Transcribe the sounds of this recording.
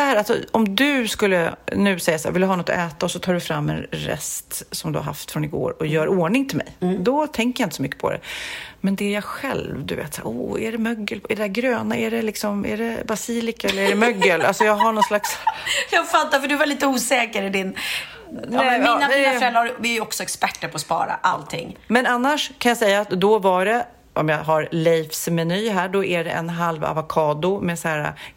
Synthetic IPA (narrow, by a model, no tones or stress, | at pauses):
dɛhæːɾalsɔ̰ɔmd̪ɵskɵlːənʉ̟ːsɛjːasaæːɾvɪld̪ɵɦɑːnɔt̪ːɔ̰ʔɛːt̪aɔsɔt̪ʰɑːɖʉfɾamːɛ̰nɾɛ̰st̪sɔmd̪ɵha̰ɾɦa̰ft̪fɾɔnɪɡo̰ːɾɔjœːɾoːɳɪŋt̪ʰɪlmɛ̰jd̪ɔt̪ʰɛŋkəjaɪnt̪əsɔmʏkːə̥pʰɔ̰d̪ɛ̰mɛnd̪ɛæɾjɑɧɛ̰lvd̪ɵvḛːt̪sæ̰ːɾṵːæɖɛmœɡːəlæɖɛd̪æɾɡɾøːnaæɖɛlɪksɔmæ̰ɖɛbasiːlɪkaɛlːəɾɛɖɛmœɡːəlalsɔjɑːɡɦaɳɔnslaksjɑɡfat̪ːafœɖɵvaɭiːt̪əuːsɛːkəɾɪd̪ɪn | nɛɛminaafɾɛlːaɾavɪjɔksɔɛkspæʈːəɾpʰɔspɑ̰ːɾa̰ʔalt̪ʰɪ̰ŋːmɛnanːaʂkʰanjasɛjːaːt̪d̪ɔvaɖɛ | ʔɔmjɑɦaɾlɛjfsmɛnyːɦæːɖɔʔæɖɛʔɛ̰nɦalva̰vakʰɑːd̪ʊmɛsaæːɾa̰